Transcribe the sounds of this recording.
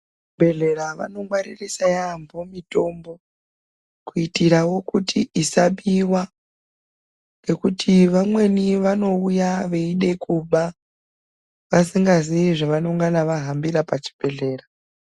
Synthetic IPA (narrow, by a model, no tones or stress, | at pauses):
bʱe̞ɮe̞ɾaʋa̰no̞ŋɡwaɾirisajambomito̞ːmbo̞ | kuitiɾawo̞kutʰiʔisaɓiwa | ne̞kutʰiʋamwe̞niʋano̞ujaʋe̞iɗe̞kʰuɓa | ʋasiŋɡaziiʐaʋanoŋɡanaʋaɦambiɾapat͡ʃi̥b̥ʱe̞ɮe̞ːra